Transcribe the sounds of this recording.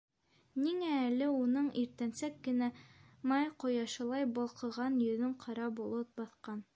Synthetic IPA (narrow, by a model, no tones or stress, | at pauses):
niŋæːlɘunɤɴiɾt̪ænsækːɘ̆næ | mɑjqŏjɑʃɤ̆lˠɑjbŏlˠqɤ̆ʁɑnjɵ̆ðɵɴqʰɑɾɑbulˠɤt̪̚bɑθqɑn